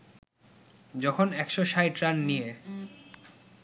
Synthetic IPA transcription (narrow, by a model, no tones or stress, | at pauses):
d͡ʑɔkʰonɛkʃoʃajʈɾanːije